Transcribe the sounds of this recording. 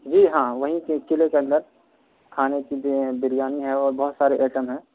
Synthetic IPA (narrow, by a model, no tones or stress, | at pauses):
d͡ʒiːɦãːʋɐɦĩkekɪlekeɐ̃nd̪əɾ | kʰaːnekibɪɾijaːniɦɛɔːɾbɐɦʊt̪saːɾeʔɛːʈəmɦɛ̃ː